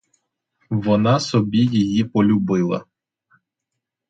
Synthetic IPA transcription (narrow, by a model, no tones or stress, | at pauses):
ʋɔnɑsɔbʲijɪjipɔlʲʊbɪlˠɐ̰